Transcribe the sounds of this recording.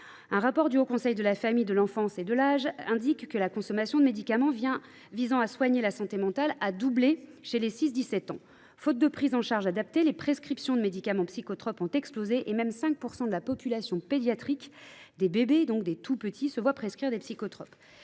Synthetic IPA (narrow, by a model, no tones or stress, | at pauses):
ɛ̃ʁapɔʁd̪yokɔ̃sɛjd̪əlafamijd̪əlɑ̃fɑ̃sed̪əlaʒɛ̃d̪ikːəlakɔ̃sɔmasjɔ̃d̪əmed̪ikamɑ̃vjɛ̃ | vizɑ̃aswaɲelasɑ̃t̪emɑ̃t̪alad̪ubleʃelesis̬d̪isɛt̪ɑ̃ | fot̪̚d̪əpχizɑ̃ʃaʁʒad̪ap̚t̪elepχeskχipsjɔ̃d̪əmed̪ikamɑ̃psikɔt̪χɔpɔ̃t̪ɛksplozeʔemɛmsɛ̃k̚puʁsɑ̃d̪əlapɔpylasjɔ̃ped̪jat̪χikd̪ebebed̪ɔ̃k̚d̪et̪ʰupət̪ʰisəvwapχeskχiʁd̪epsikɔt̪χɔp